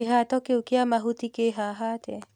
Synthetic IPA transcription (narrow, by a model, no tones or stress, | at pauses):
eɦatɔkeokeamaɦutikeɦaɦatɛ